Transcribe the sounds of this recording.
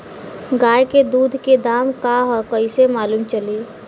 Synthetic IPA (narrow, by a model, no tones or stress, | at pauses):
ɡaːjked̪uːd̪ʱked̪aːmkaɦɔkəɪsemaːluːmt͡ʃəli